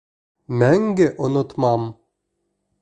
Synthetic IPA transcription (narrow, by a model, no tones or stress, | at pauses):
mæŋɡɘʔʊnʊt̪mɑm